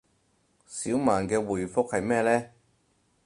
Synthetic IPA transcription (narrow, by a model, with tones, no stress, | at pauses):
siː˨˥wmaː˨nkɛː˧wuː˨˩jfʊ˥k̚hɐ˨jmɛː˥˧lɛː˥